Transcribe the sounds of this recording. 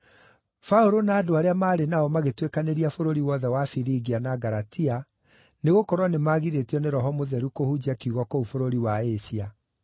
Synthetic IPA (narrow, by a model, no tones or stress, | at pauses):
fauɾonaːdoaɾeamaːɾenaɔmaɣetwekaneɾiafoɾoɾiwɔðɛwafiɾiɡianaɡaɾatia | neɣokɔɾwanemaɣiɾetiɔneɾɔɦɔmoðɛɾukohud͡ʑiakiuɣɔkoufoɾoɾiwaesia